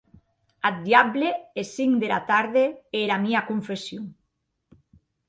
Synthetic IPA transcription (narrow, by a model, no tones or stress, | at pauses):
ad̪jaβleesiŋd̪eɾa̰t̪aɾðeeɾamiakuɱfesjuŋ